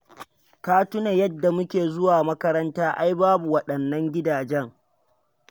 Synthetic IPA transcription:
kaː˦tʊ˦na˨jɐ˦dːa˨mʊ˦kʲeː˨zʊ˦waː˨mɐ˦kɐ˦ɾɐ˦ntaː˦ʔa˦jbaː˦bu˨wɐ˨ɗɐ˨nːɐ˦ŋɡʲɪ˦daː˨d͡ʒɛ˦ŋ

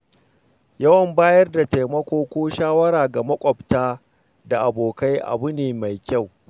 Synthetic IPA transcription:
jɐ˦wɐ˨mbaː˦jɐ˦rda˨ta˨jmɐ˦kʷoː˦kʷoː˦ʃaː˦wɐ˦ɾaː˨ɡa˨mɐ˦kʷʼɔ˨btaː˦ | da˨ʔa˨boː˨ka˦jʔa̰˨bʊ˦neː˨ma˨jkʲa˦˨w

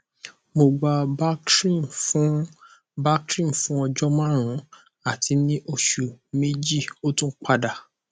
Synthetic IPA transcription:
mo˧ɡ͡ba˧ba˦kɾĩ˦˨fũ˦ | ba˦kɾĩ˦˨fũ˨˦ɔ˧d͡ʒɔ˦mã˦ɾ̃ũ˨˦ | a˦˨ti˨˦nĩ˦ʔo˧ʃu˨me˦d͡ʒi˦˨o˦tũ˦k͡pa˧da˨

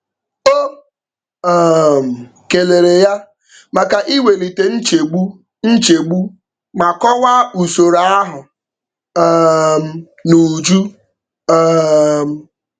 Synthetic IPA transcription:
o˦˨ | m̩˨ | ke˨le˨ɾe˨ja˦ | ma˨ka˨ʔi˦we˨li˨te˨n̩˦t͡ʃe˨ɡ͡bu˦ | n̩˦t͡ʃe˨ɡ͡bu˦ | ma˨kɔ˦wa˦u˨so˨ɾa˨˦a˦ɦʊ˨˦ | m̩˨ | nu˨d͡ʒu˦ | m̩˦˨

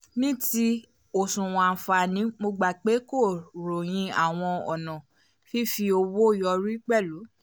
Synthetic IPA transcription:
nĩ˦ti˧ | o˨sũ˨w̃ɔ̃˨a˨fa˧˨nĩ˨˦mo˧ɡ͡ba˧˨k͡pe˨˦ko˦˨ɾo˨j̃ĩ˧a˨w̃ɔ̃˧ɔ˨nã˨ | fi˦fi˧o˧wo˦˨jɔ˧ɾi˦k͡pɛ˦˨lu˨˦

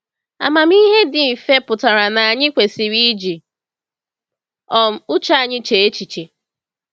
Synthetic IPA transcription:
a̰˨ma˨m˦i˦ɦe˦dɪ˨m̩˨fe˦pʊ˨ta˨ɾa˨na˨a˨ɲɪ˦kʷe˨si˨ɾi˦d͡ʒi˨ | ɔ˨m̩˨ʊ˦t͡ʃa˦a˨ɲɪ˦t͡ʃe˨e˦t͡ʃi˨t͡ʃe˨

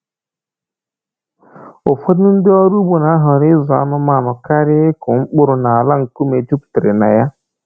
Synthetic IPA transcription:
ʊ˨fo˦dʊ˦n̩˦dɪ˦ɔ˦ɾu˦bu˨na˨a˦ɦʊ˨ɾɪ˦zɔ˨a̰˦nʊ˦ma˨nʊ˨ka˦ɾɪ˦ɪ˦kʊ˨ŋ͡m̩˦k͡pʊ˦ɾʊ˨na˨a˨la˦ŋ̩˨ku˦me˨d͡ʒu˦pte˨ɾe˨na̰˨ja˦

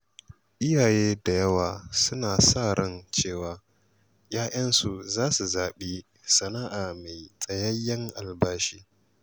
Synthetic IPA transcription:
ʔɪ˦jaː˨jeː˦da˨jɐ˦waː˨sʊ˦naː˨saː˦˨ɾɔ˦nt͡ʃeː˦˨waː˨ | jaː˦ʔɐ˦nsu˨zaː˦su˨zaː˨ɓiː˦ | sɐ˨naː˦ʔaː˨ma˨jsʼɐ˨jɐ˦jːɐ˦ŋʔa˨lbaː˦ʃiː˦

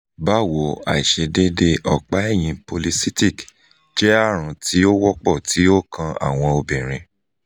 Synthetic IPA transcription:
ba˦wo˨˦a̰˨i˨ʃe˧de˦de˧ʔɔ˨k͡pa˨˦ɛ˦˨j̃ĩ˧po˧li˧si˦ti˦˨k | d͡ʒɛ˨˦a˦˨ɾ̃ũ˨˧ti˦o˦wɔ˦k͡pɔ˦˨ti˨˦o˦kʰã˧a̰˦˨w̃ɔ̃˧o˧bĩ˨ɾ̃ĩ˧

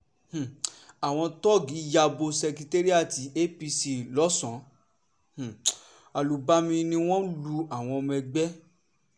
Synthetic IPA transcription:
h̩˨a˨w̃ɔ̃˧tɔ˦˨ɡi˨˦ja˧bo˧sɛ˧kɾi˧te˦ɾi˦a˦˨ti˨˦ʔe˦pi˧si˧lɔ˨˦sɔ̃˨˦ | h̩˨ | a˨lu˨ba˧˦mĩ˧nĩ˧w̃ɔ̃˦lu˧a˨w̃ɔ̃˧mɛ̃˧ɡ͡bɛ˦

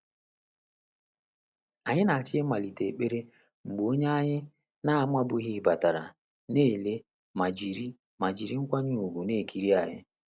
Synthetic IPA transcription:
a˨ɲɪ˦na˨a˨t͡ʃɪ˦ma˨li˨te˨k͡pe˦ɾe˦ | ŋ͡m̩˨ɡ͡bo˨˦o˦ɲe˦a˦ɲɪ˦ | na˦a˨ma˦bʊ˨˦ɣɪ˦˨ba˨ta˨ɾa̰˨ | ne˦˨le˦ | ma˨d͡ʒi˨ɾi˦ | ma˨d͡ʒi˨ɾi˦ŋ̩˦kʷa˦ɲʊ˦u˨ɡu˨ne˦˨kʰi˨ɾi˦a˨ɲɪ̰˦

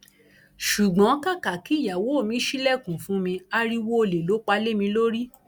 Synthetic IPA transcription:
ʃu˨ɡ͡bɔ̃˨˦ka˦˨ka˨ki˨˦˨ja˨wo˨˦˨mĩ˧˦ʃi˦lɛ˦˨kũ˨fũ˨˦mĩ˧a˧ɾi˦˧wo˦o˧le˨lo˨˦k͡pa˧le˦mĩ˧lo˦ɾi˦

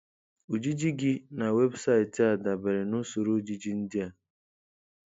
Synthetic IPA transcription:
u˨d͡ʒi˦d͡ʒi˦ɡi˦na˨we˦bsa˦ɪ˨ti˨a˨da˨be˨ɾɪ˨nʊ˦so˨ɾo˦d͡ʒi˦d͡ʒi˦n̩˦dɪ˦a˨

